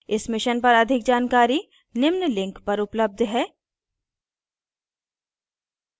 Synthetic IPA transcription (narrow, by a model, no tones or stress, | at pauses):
ɪsmɪʃənpɐɾɐd̪ʱɪk̚d͡ʒaːnkaːɾi | nɪmnlɪ̃ŋkpɐɾʊpləb̚d̪ʱɦɛː